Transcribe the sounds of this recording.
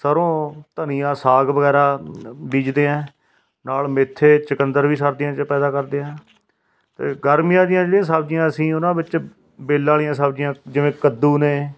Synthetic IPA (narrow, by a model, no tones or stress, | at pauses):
səɾõːt̪ənijãːsaːɡʋəɡɛːɾaːbiːd͡ʒd̪eːɛ̃ː | naːlmɪt̪ʰːeːt͡ʃəkənd̪əɾʋiːsəɾd̪ɪjãːt͡ʃpɛːd̪aːkəɾd̪eːɛ̃ː | t̪ḛːɡəɾmijãːd̪ɪjãːd͡ʒlijãːs̬abd͡ʒɪjãːəsĩːʊnãːbɪt͡ʃ | beːlːãːlɪjãːsəbd͡ʒɪjãːd͡ʒɪʋẽːkəd̪ːuːneː